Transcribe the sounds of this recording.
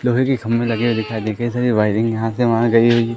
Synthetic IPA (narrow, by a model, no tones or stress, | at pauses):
loːɦekikʰɐmːẽlɐɡewed̪ɪkʰad̪ɛ̃kɐɦisaːɾibaːɪʈɪ̃ŋɡjɐɦãseʋɐɦãɡɐiɦoi